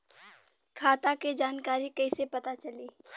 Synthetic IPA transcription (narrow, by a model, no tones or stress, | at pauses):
kʰaːt̪aked͡ʒaːnkaːɾikɐisepɐt̪at͡ʃɐliː